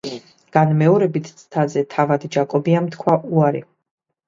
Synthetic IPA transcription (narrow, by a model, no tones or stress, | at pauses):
ɡ̥anmɛɔɾɛbit̪ʰt̪sʰt̪ʰazɛt̪ʰavad̪d͡ʒakʼɔbiamt̪ʰkʰwaʔuaɾi